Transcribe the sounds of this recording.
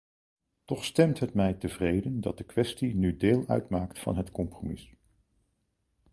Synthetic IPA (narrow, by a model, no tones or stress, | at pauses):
tɔχstɛmtɦətmɛjtəvrejdəndɑ̰t̚dəkʋɛstinydeːlˠœ̰ɥtmaːktfɑ̰nɦətkɔmpromɪs